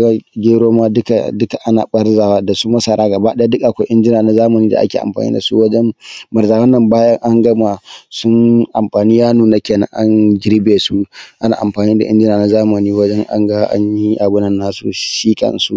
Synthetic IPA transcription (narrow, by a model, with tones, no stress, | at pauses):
ɡa˦ɡʲeː˦ɾoː˦maː˦dʊ˦ka˨dʊ˦ka˨ʔa˦na̰ː˨ɓɐ˦rza˨wa˦da˨su˦mɐ˦sɐ˨ɾaː˦ɡɐ˨ba˦ɗa˦dʊ˦kʼʔa˨kʷa˦ʔɪ˦nd͡ʒɪ˦naː˨na˨zaː˦mɐ˨niː˦da̰˨ʔa̰˦kʲḛː˨ʔa̰˨mɸa̰ː˨nḭː˦da˨su˦wɐ˦d͡ʒɛ˦mbɐ˨ɾzaː˨wɐ˦nːɐ˨mbaː˦jɐ˦ŋʔa˦ŋɡɐ˦ma˨sʊ˦nʔa˨mɸaː˨niː˦jaː˦nuː˨na˦kʲeː˨nɐ̰˦ŋʔa˦ɲɡʲɪ˦ɾbeː˨su˦ʔa˦na̰ː˨ʔa˨mɸaː˨niː˦da˨ʔɪ̰˦nd͡ʒɪ˦naː˨na˨˦zaː˦mɐ˨niː˦wɐ˦d͡ʒɛ˦ŋʔa̰˦ŋɡa˦ʔa̰˦ɲji˦ʔa˨bʊ˦nɐ˨nːaː˦sṵ˨ʃiː˦kʼɐ̰˨nsṵ˦ʔ